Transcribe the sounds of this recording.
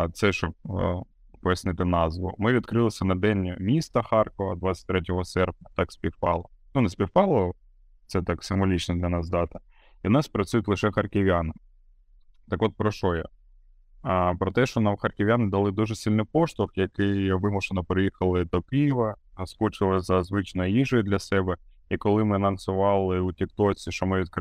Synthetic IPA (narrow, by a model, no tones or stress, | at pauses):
t̪sɛʃt͡ʃɔp̚ | pɔjɐsnɪt̪ɪnɑzʋʊ̰mɪʋʲit̪kɾɪlˠɪsʲɐnɐd̪ɛnʲmʲist̪ɐxɑrkɔɦɐd̪ʋat͡sʲsʲɐ̥t̚ʲt̪ɾɛt̬ʲɔɦɔsɛrp̚nʲɐt̪ɑksʲpʲiwpɑlˠɔnunɐsʲpʲiwpɑlˠɔ | t̪sɛt̪ɑksɪmʋɔlʲit͡ʃnɔd̪lʲɐnɑzd̪ɑt̪ɐ̥ | inɑspɾɐt͡sʲujʊtʲlˠɪʃɛxɐrkɪʋʲanɪ | t̪ɐkʋɔt̪̚pɾɔʃɔjɛ̰ | pɾɔt̪ɛʃɔnɑmxɐrkʲɪʋʲjanɪd̪ɐlˠɪd̪uʒɛsʲilʲnʊpɔʃt̪ʊfjɐkɪjʋɪmʊʃenɔpɾɪjixɐlˠɪt̪ɔpʲiʋɐskɔt͡ʃɪlˠɪzɐzʋɪt͡ʃnɔjiʒɔjd̪lʲɐsɛbɛ | ikɔlˠɪmɪnɐnsʊʋɑlˠɪutʲɪkt̪ɔt͡sʲiʃɔmɪʋʲid̪k